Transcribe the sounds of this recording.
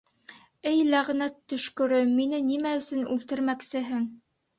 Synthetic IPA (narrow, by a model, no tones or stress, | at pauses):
ɘjlæʁnæt̪ːɵ̆ʃkɵ̆ɾɵminɘnimæɵ̆sɵnʉ̰lt̪ɘ̆ɾmæksɘ̆ɦɘŋ